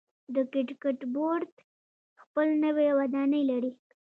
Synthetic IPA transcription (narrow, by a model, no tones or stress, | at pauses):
d̪əkɪʈkeʈboɾd̪ | xpəlnəwewad̪ɑnəjlaɽi